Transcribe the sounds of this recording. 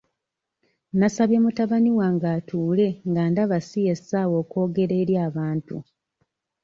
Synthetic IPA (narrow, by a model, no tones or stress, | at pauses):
nasaβje̞mutaβaniwaŋɡaːtuːle̞ŋɡaːndaβasijesawo̞ːko̞ːɡe̞ɾe̞ːɾjaːβaːntṵ